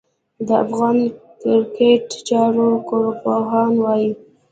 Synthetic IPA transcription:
d̪əa̰fɣɑnkɪɾkeʈt͡ʃɑɾokoɾpoɦɑnwɑji

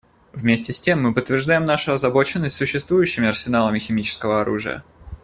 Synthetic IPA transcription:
vmʲesʲtʲɪsʲtʲe̞mːɨpət̪ːvʲɪrʐd̪ajɪmnaʂʊɐzɐbo̞t͡ɕɪnːəsʲt̪ʲsʊɕːɪst̪vujʉɕːɪmʲɪɐrsʲɪnalˠəmʲɪxʲɪmʲit͡ɕɪ̥skəvəɐɾṵʐɨ̰jə̰

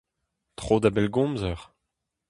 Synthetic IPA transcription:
t̪χod̪abɛlɡɔ̃mzœʁ

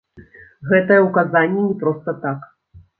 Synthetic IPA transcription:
ɣɛt̪ɐjɐwkazanʲːɛnʲɛpɾɔst̪ɐt̪ak

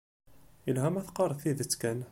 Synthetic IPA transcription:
ilɦæmæθqɑrˤθiðət͡sːkæn

